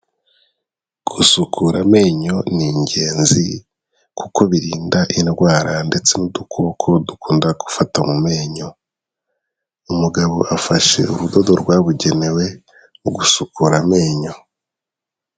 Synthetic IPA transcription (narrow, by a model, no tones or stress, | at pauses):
ɡ̥usukʰuɾame̞ːɲo̞niɲɟe̞ːnzi | kuko̞βiɾiːndaʔinɡwaːɾande̞t͡se̞nudukʰo̞kʰodukʰuːndaɡu̥fatamume̞ːɲo̞ | umuɡaβo̞̰ʔafaʃe̞̰uɾudo̞do̞ɾɡwaːβuɟe̞ne̞we̞ | uɡusukuɾame̞ːɲo̞